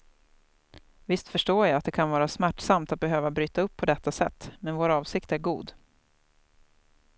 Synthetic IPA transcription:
vɪst̪fœʂʈoːjaat̪̚d̪ɛkʰanvɑːɾasmæʈsamt̪at̪̚bɛɦøːvabɾyːt̪aɵpʰːɔd̪ɛt̪ːasɛ̰t̪ːmɛnvoːɾɑːvsɪkt̪æɾɡuːd̪

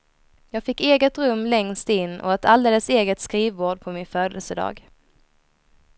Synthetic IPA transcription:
jɑːɡfɪkːeːɡət̪ɾɵmːlɛŋst̪ɪnːʔɔ̰ɛt̪ʰald̪eːləseːɡət̪skɾiːvoːɖpʰɔmɪnføːd̪ə̰lsəd̪ɑ̰ːɡ

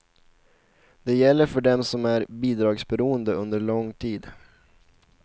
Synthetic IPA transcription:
d̪̥ɛjɛlːəɾfœɖɛmsɔmæɾbiːd̪ɾɑːɡsbɛɾuːənd̪əɵnd̪əɭɔŋːt̪ʰiːd̪

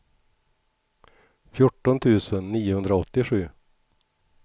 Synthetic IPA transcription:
fjʊʈːɔnt̪ʰʉ̟ːsənːiːʊhɵnd̪ɾaɔt̪ːɪɧʉ̟ː

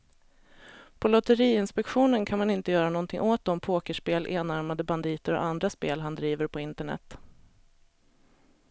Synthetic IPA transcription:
pʰɔlɔt̪əɾiːɪnspɛkɧuːnənkʰanmanɪnt̪əjœːɾanɔnt̪ʰɪŋʔoːt̪̚d̪ɔmpʰoːkəʂpeːlʔeːnaɾmad̪əband̪iːt̪əɾɔ̰ʔand̪ɾaspeːlɦand̪ɾiːvəɾpʰɔɪnt̪əɳɛ̰t̪

